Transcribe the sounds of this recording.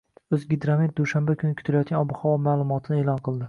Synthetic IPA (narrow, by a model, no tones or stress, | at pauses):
ɵzɡʲid̪ɾamet̪̚d̪uʃambakʰʲʊnɪkʰt̪ʰɪlajɒt̪̚ɡʲanɒbʊhɒwɒmaːlˠʊmɒt̪ʰɪnɪeːlɒnqʰɨlˠd̪ɪ